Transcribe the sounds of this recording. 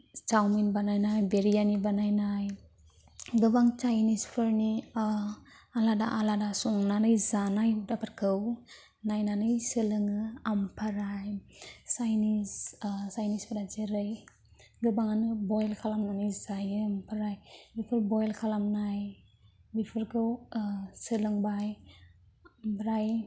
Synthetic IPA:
t͡ʃawminbanajnajbeɾijanibanajnaj | ɡɯbaŋt͡ʃajnispʰɯɾni | alada̰ʔaladasuŋnanɯjzanajudapʰaɾkʰɯw | najnanɯjsɯlɯŋɯampʰaɾajsajnissajnispʰaɾad͡ʒeɾɯj | ɡɯbaŋanɯbɔjlkʰalamnanɯjzajɯmpʰaɾajbipʰɯɾbɔjlkʰalamnaj | bipʰɯɾkʰɯwsɯlɯŋbaj | mpʰɾaj

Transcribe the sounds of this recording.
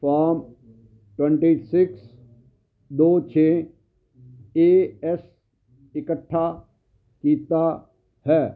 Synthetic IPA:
faːm | ʈwɛ̃ɳʈisɪks | d̪oːt͡ʃʰeː | eːɛs | ɪkəʈʰːa | kiːt̪a | hɛː

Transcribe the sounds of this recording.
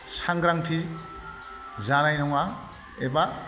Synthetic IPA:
saŋɡɾaŋtʰi | zaɾajnɔŋa | eba

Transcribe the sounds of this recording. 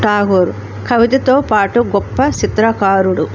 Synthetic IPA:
ʈaːɡoːɾ | kʰɐʋit̪ɐt̪oːpaːʈuɡɔpːɐt͡ʃit̪ɾɐkaːɾuɽu

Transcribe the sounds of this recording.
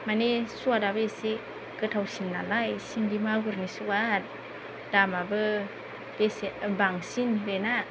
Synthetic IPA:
manesuadabɯesi | kɯtʰawsinːa̰lajsiŋdimaɡuɾnisukat̚ | d̥amabɯ | d̥esibaŋsindena

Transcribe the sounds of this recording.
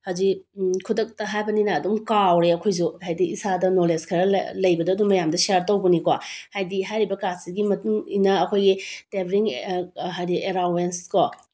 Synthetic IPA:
hazikʰudɐk̚tɐɦajbɐninɐːdumkawɾeɐkʰojz̬uhajdiisadɐnoleskʰɐɾɐ̰lɐjbɐdɐɐdumɐjamdɐsiaɾtowbɐnikwahajdiɦajɾibɐkassiɡimɐtuŋinɐɐkʰojɡitebɾiŋɦajdieɾawenskɔ

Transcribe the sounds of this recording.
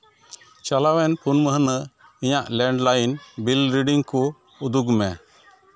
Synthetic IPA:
t͡ʃalawɛnpʰunməɦənə | iɲaʔlɛɳɖlajnbilɾiɖiŋku | ud̪uɡmɛ

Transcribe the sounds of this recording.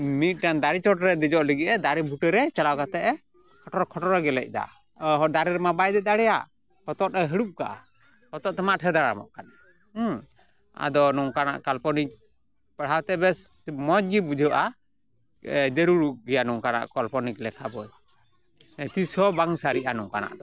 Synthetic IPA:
mit̪̚ˀʈand̪aɾit͡ʃɔʈɾɛd̪ɛd͡ʒɔʔləɡiɛd̪aɾibʱuʈɛɾɛt͡ʃalawkat̪ɛʔɛ | kʰɔʈɔɾkʰɔʈɔɾɛɡɛlɛ̰c̚ˀd̪a̰ | ɦɔd̪aɾiɾɛmabajd̪ɛd̪aɽɛjaʔ | hɔt̪ɔt̪ɛɦəɽup̚kaʔa̰ | hɔt̪ɔʔt̪ɛmaʔʈʰɛɾd̪aɽamɔ̰ʔkan | a̰d̪ɔnuŋkana̰ʔkalpɔnik̚ | pɛɽ̤awt̪ɛbɛsmɔd͡ʒ̚ɡibud͡ʒʱɔʔa | d͡ʒɛɾuɽuʔɡɛjanuŋkana̰ʔkɔlpɔniklɛkʰabɔj | t̪isɔbaŋsaɾiʔanuŋkana̰ʔd̪ɔ

